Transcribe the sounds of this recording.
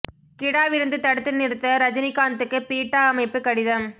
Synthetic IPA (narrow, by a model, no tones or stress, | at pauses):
kɪɽaːʋɪɾɯnd̪ɯt̪ɐɽɯt̪ːɯnɪɾɯt̪ːɐɾɐd͡ʒɐnɪkːaːnt̪ɯkːɯpiːʈːaːɐmɐɪpːɯkɐɽɪðɐm